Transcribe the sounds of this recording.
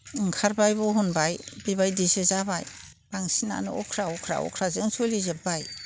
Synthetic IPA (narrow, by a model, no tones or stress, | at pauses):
ɯŋkʰaɾbajbɔɦunbajbibajdisezabaj | b̥aŋsina̰nɯɔkʰɾaɔkʰɾa̰ɔ̰kʰɾazɯŋsolizebaj